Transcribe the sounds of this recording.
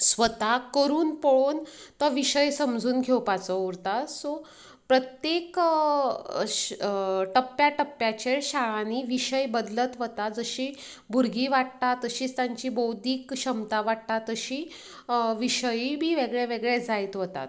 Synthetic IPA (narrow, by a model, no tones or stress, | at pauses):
sʋət̪akəɾuːnpoɭoːnt̪əʋiɕəjsəmd͡zʱuːnɡʱewpat͡sɔuɾt̪asɔ | pɾət̪jek | ʈəpːjaʈəpːjat͡ɕeɭɕaɭaniʋiɕəjbəd̪lət̪ʋət̪ad͡zəɕiː | bʱuɾɡʱiːʋaʈ̚t̪at̪əɕiːt͡st̪jaɲt͡ɕiːbowd̪iːkɕəmt̪aʋaʈt̪at̪əɕiː | ʋiɕəjbʱiːʋeɡɭeʋeɡɭed͡zajt̪ʋot̪a̰t̪